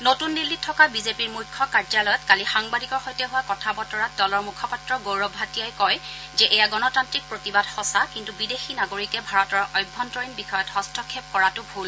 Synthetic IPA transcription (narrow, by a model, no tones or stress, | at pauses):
notunːilːitʰːɔkabizepiɹmujkʰːɔkaɹzalɔjɔtkalixaŋbadikɔɹxɔjtɛɦʊwakɔtʰabɔtɔɹat̚dɔlɔɹmukʰɔpatɹɔɡowɹɔbʱɦatijajkɔj | zɛʔɛjaɡɔnɔtantɹik̚pɹotibadxɔsakintubidexinaɡoɹikɛbʱaɹɔtɔɹɔjbʱːɔntɹɔɹinbixɔjɔthɔstʰɔkʰːep̚kɔɹatʊbʱul